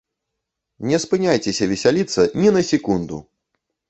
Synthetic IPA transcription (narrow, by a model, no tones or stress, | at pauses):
nʲɛspɨnʲajt͡sʲɛsʲɐvʲɛsʲalʲit̪sːɐnʲinɐsʲikund̪ṵ